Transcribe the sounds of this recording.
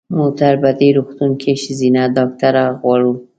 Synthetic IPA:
mot̪aɾbad̪eɾuxt̪unkʰeʃɪzinad̪ɑk̚t̪aɾaɣwɑɽu

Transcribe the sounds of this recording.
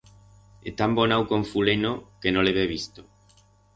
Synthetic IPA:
et̪ambonawkoɱfulenokenoleβeβist̪o̥

